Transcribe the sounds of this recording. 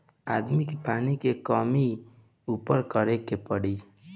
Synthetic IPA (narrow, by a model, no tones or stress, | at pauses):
ad̪mikepanikekɔmi | upəɾkəɾekepəɽi